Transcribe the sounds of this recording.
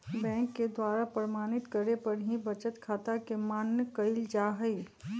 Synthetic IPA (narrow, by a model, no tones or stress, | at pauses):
bɛ̃ːŋkːed̪waːɾapɾəmaːñɪt̪kəɾepɐɾɦĩbɐt͡ʃət̪kʰaːt̪akemaːnjəkəɪld͡ʒaːɦəi